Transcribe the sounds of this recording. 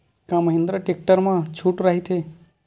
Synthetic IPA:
kãməɦĩnd̪ɾəʈek̚ʈəɾmãt͡ʃʰuʈɾaɦit̪ʰe

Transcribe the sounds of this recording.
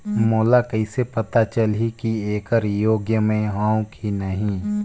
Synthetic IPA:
moːlakɐisepɐt̪at͡ʃəlɦikieːkəɾjoːɡjəmẽɦãːwkinɐɦĩ

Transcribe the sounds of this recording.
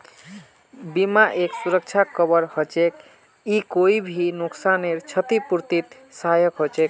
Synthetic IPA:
bimaʔeksuɾək̚t͡ʃʰakəbəɾhot͡ʃek | ikoibʱinuksaneɾt͡ʃʰət̪ipuɾt̪it̪ | sajəkɦot͡ʃek

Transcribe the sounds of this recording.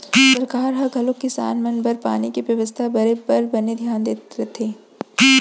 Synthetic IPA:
sɐɾkaːɾɦɐɡʱɐlõkɪsa̰ːnmɐnbɐɾpa̰ːnikiʋjɐʋəst̪ʰabɐɾepɐɾbɐned̪ʱjaːnd̪eːt̪ɾet̪ʰeː

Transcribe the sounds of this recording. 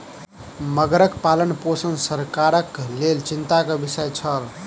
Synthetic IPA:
məɡɾəkpalənposənsəɾkaɾəklelt͡ʃint̪akəbisəjt͡ʃʰəl

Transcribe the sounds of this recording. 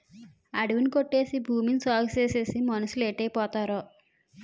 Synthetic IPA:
ɐɽiʋinikoʈːe̞ːsibʱuːminsaːɡt͡ʃe̞ːse̞ːsimɐnɐsuleːʈːɐjpɔːt̪aːɾoː

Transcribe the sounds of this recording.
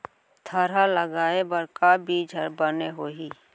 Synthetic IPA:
t̪ʰəɾaləɡaːebəɾkabiːd͡ʒʱəɾbəneɦoːɦiː

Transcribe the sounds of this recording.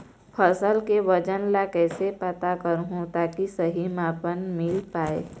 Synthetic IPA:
pʰəsəlkeʋəd͡ʒənlakɛːsepət̪akəɾɦũt̪aːkisəɦimaːpənmɪlpaːeː

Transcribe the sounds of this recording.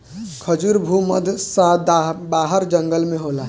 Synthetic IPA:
kʰəd͡ʒuɾbʱumə̰d̪ʱsabaːɦəɾd͡ʒə̃ŋɡəlmẽɦoːlaː

